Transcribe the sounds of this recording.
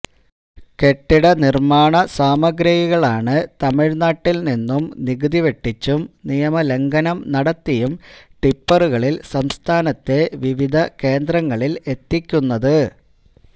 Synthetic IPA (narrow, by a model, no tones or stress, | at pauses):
ke̞ʈːiɽɐnirmaːɳɐsaːmɐɡɾɐhiɣɐɭaːɳɨt̪ɐmiɻnaːʈːilninːumniɣɨðiʋe̞ʈːit͡ɕːumnijɐmɐle̞ŋɡɐnɐmnɐɽɐt̪ːijumʈipːɐruɣɐɭilsɐmst̪ʰaːnɐt̪ːe̞ʋiʋid̪ʱɐke̞ːnd̪rɐŋːɐɭile̞t̪ːikʲːunːɐðɨ